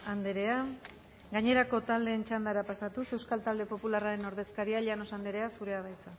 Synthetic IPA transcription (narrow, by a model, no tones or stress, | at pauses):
and̪eɾe̞a | ɡaɲe̞ɾako̞t̪ald̪e̞ːnt͡ʃand̪aɾapasat̪use̞wskalt̪ald̪e̞po̞pularaɾe̞no̞ɾðe̞skaɾiaʎeano̞sand̪e̞ɾe̞asuɾe̞að̞ajt͡sa